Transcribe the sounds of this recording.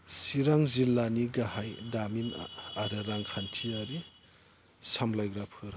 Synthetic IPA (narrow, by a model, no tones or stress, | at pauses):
siɾaŋzilːaniɡaɦajdaminaɾɯɾaŋkʰantʰiaɾi | samlajɡɾapʰɯɾ